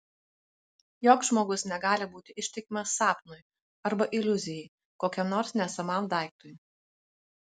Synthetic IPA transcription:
joːkʒmoːɡʊsnʲɛɡɑːlʲɪbuːt̪ʲɪʔɪʃʲt̪ʲɛkʲɪmɐsɑːpnʊj | ɐɾbɐʔɪlʲʊzʲɪjɛɪ | koːkʲɛmnoːɾsnʲɛsɐmɐˑmd̪ɑˑɪk̚t̪ʊj

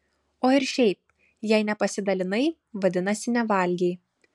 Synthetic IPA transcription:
oːɪɾʃʲɛɪp̚ | jɛɪnʲɛpɐsʲɪd̪ɐlʲɪnɐɪ | ʋɐd̪ʲɪnɐsʲɪnʲɛʋɐˑlʲɡʲɛɪ

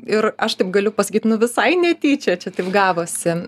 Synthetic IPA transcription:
ɪrɐʃt̪ɐɪpɡɐlʲʊpɐsɐ̥kʲiːt̪nʊʋʲɪsɐɪnʲɛt̪ʲiːt͡ʃʲɛt͡ʃʲɛt̪ɐɪpɡɑːʋoːsʲɪ

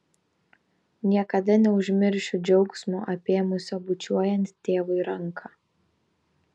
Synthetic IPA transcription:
nʲiɛkɐd̪ɐnʲɛʊʒʲmʲɪɾʲʃʲʊd͡ʒʲɛʊksʲmʲuʔɐpʲeːmʊsʲoːbʊt͡ʃʲuɔjɛnʲt̪ʲt̪ʲeːʋɐɪɾɐŋˑkʰɑː

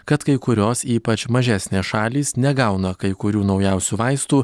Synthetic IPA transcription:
kɐt̪kɐɪkʊɾʲoːsiːpɐt͡ʃmɐʒʲæsʲnʲeːsʃɑːlʲiːsnʲɛɡɐʊnɐkɐɪkʊɾʲuːnɒʊjɛˑʊsʲuːʋɐɪst̪uː

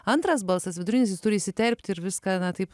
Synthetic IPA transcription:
ant̪ɾaːsbalˠsɛsʋʲɛd̪ɾunʲiːs̬ʲist̪uɾʲiːsʲit̪ʲɛɾʲp̚ʲt̪ʲiɾʋʲiskanaːt̪iːp

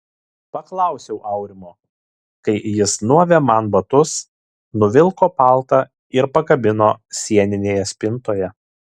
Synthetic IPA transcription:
pɐklˠɑˑʊsʲɛʊʔɐʊɾʲɪmoː | kɐɪjɪsnuɔʋʲɛmɑnbɐt̪ʊs | nʊʋʲɪlˠkoːpɑˑlˠt̪ɐ | ɪɾpɐkɐbʲɪnoːsʲiɛnʲɪnʲeːjɛsʲpʲɪnt̪oːjɛ

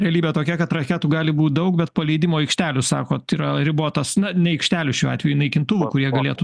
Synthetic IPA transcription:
ɾʲɛɐlʲiːbʲeɛt̪oːkʲɛkɐt̪ɾɐkʲæːt̪uːɡɑːlʲɪbuːt̪̚d̪ɐʊk̚bʲɛt̪̚pɐlʲɛɪd̪ʲɪmoːɛɪkʃʲt̪ʲæːlʲʊsɑ̰ːkoːt̪iːɾɐɾʲɪboːt̪ɐsnɐnʲɛɛɪkʃʲt̪ʲæːlʲʊʃʲuːɑ̰ːt̪ʲʋʲɛjʊnɐɪkʲɪnt̪ʊʋʊːkʊɾʲiɛɡɐlʲeːt̪ʊ

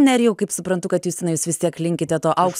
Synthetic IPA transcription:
nʲɛɾʲjɛʊkɐɪpsʊpɾɐnt̪ʊkɐt̪juːsʲɪnɐɪjuːsʋʲɪst̪iɛklʲɪŋʲkʲɪt̪ʲɛt̪oːʔɐʊkʃ

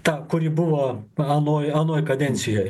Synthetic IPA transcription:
t̪ɑkʊɾʲibʊʋoɐnoːjɐnoːjkɐd̪ʲɛnʲsʲɪjɛj

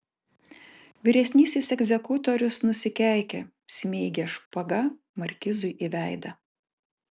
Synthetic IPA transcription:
ʋʲɪɾʲɛsʲnʲiːsʲɪsɛɡʲzʲɛkʊt̪ɔɾʲʊsnʊsʲɪkʲæˑɪkʲɛ̰ | sʲmʲeːɡʲeʃpɐɡɐ | mɐɾʲkʲɪzʊɪʔiʋʲæˑɪd̪ɐ

